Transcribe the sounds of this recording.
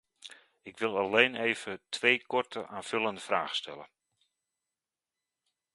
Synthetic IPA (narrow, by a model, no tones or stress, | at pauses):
ɪkʋɪlˠaleːneːv̥ətʰʋeːkɔrtʰəʔaːnfʏlˠəndəfra̰ːχstʰɛlə̰